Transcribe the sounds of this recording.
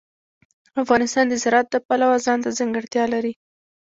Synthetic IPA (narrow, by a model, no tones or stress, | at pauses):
afɣɑnɪst̪ɑnd̪əzɪɾɑt̪̚d̪əpalawazɑnt̪azaŋɡəɽt̪jɑlaɾi